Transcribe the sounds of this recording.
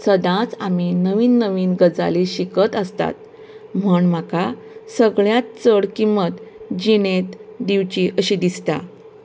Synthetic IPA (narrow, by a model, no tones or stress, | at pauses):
səd̪ãt͡saminəʋiːnːəʋiːnɡəd͡za̰liɕikət̪əst̪a̰t̪̚ | m̤əɳmaka | səɡɭjat̪t͡səɽkimət̪d͡ʑiñet̪d̪iʋt͡ɕiʔəɕiːd̪ist̪a̰